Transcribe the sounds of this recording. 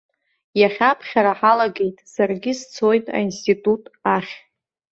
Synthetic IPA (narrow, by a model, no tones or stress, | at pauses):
jaχʲapʰχʲaɾaħalaɡʲe̞jtʼsarɡʲɪst͡sʰo̞jtʼa̰institʼutʼaχʲ